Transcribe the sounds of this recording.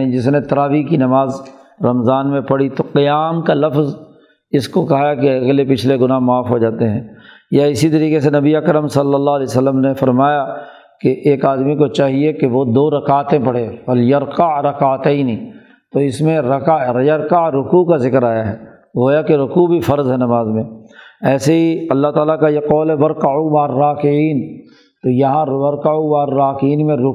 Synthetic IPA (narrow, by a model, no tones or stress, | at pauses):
id͡ʒɪsnet̪ɐɾaːʋikinɐmaːz | ɾɐmzaːnmẽpɐɽit̪oqijaːmkalɐfz | ɪskokɐɦakeɐɡlepɪt͡ʃʰleɡʊnaːɦmaːfɦod͡ʒaːt̪eɦɛ̃ː | jaɪsit̪ɐɾiːqesenɐbiəkəɾəmsɐlːəlːaɦlɛːsəlːəmnefɐɾmaːja | keʔeːkaːd̪mikot͡ʃaːɦiekeʋod̪oːɾɐkaːt̪ẽpɐɽ̤eʋɐljɐɾqaʕɾɐkaːt̪ɛːni | t̪oɪsmẽɾɐkajɐɾqaɾʊkukazɪkəɾaːjaɦɛː | ɦoːjakeɾʊkubʱifɐɾzɦɛnɐmaːzmẽɛːseɦiɐlːaɦt̪aːlakajeqɔːlɦɛʋɐɾqaʕumaːrːaːkɪʕiːn | t̪ojɐɦãʋɐɾqaʕuʋaːɾːaːkiːnmẽɾʊ